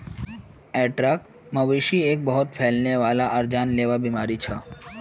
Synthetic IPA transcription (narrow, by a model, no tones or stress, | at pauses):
ɛʈɾak | məʋiʃiek̚bəɦʊt̪̚pʰelneʋaːlaʔəɾd͡ʒanleʋabimaɾit͡ʃʰə